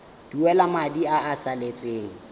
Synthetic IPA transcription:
d̥uɛlamadiaːsalet͡sʼeːŋ̩

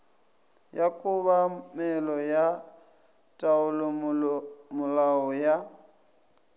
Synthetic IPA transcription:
jakʼʊβamɛlɔja | tʼaʊlɔ | mʊlaɔja

